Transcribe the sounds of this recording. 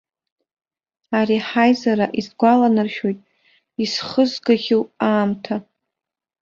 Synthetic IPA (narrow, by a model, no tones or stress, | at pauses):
aɾiħajzaɾaʔizɡʷalanɨrʃᶣo̞jtʼ | isχəzɡaɣʲɪwʼaːmtʰa